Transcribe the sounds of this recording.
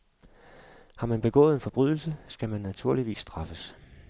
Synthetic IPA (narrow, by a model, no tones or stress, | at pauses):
hɑ̈mænb̥e̝ɡ̥ɔ̰̽ːð̩ˠe̝nfɒ̽b̥ʁyð̞̰ˠl̩səsɡ̥æmænːæt͡sʰuɐliʋḭːsːd̥ʁɑ̈fəs